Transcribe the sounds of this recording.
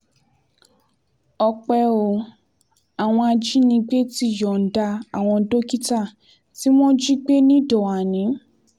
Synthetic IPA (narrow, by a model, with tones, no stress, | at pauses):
ɔ˧k͡pɛ˧o˨ | a˨w̃ɔ̃˧a˧d͡ʒi˦nĩ˧ɡ͡be˦ti˦jɔ˨n̩˨da˧a˨w̃ɔ̃˧do˦ki˦ta˦˨ | ti˦w̃ɔ̃˦d͡ʒi˦ɡ͡be˦nĩ˦dɔ˨a˨nĩ˨˦